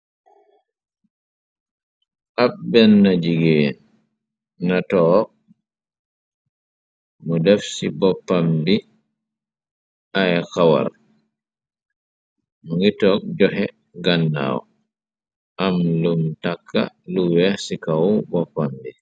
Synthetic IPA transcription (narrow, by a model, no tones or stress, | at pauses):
ʔabbɛnːad͡ʒiɡen | natɔ | mɔdɛfsibɔpːambi | ʔajkawa̰ɾ | mɔŋɡitɔk̚d͡ʒɔɦɛ | ɡanːa̰ːwɔ̰ | ʔamlumtakʰːa̰ | luwɛsikawbɔpːambi